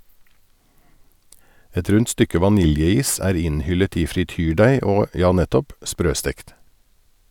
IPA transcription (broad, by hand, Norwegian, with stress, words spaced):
ˈɛt ˈɾʉnt ˈstʏkə ʋɑˈnɪljəˌiːs ˈæːɾ ˈɪnˌhʏlət ˈiː fɾɪˈtyːˌɖæɪ ˈoː ˈjɑː ˈnɛtɔp ˈspɾøːˌstɛkt